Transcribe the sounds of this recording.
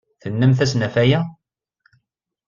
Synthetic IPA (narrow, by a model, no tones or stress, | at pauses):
θənːæmθæsnæfæjæ